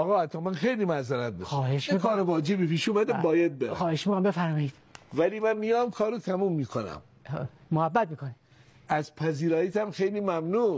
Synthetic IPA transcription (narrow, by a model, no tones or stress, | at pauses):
ʔɒːɣɒːhæt̪ʰːɒːmænxejliːmæzæɾæt̪̚dexsːheʃikʰɒːɾovɒːd͡ʒebipiːʃuːmæd̪æbɒːjæd̪̚beɾxɑːheʃmikʰonmbefæɾmɒːid̪væliːmænmijɒːmkʰɒːɾot̪ʰæmuːmːiːkʰonæ̰m | mohæbːæt̪̚miːkoni | ʔæzpʰæziːɾɒːjit̪ʰæmxejliːmæmnuː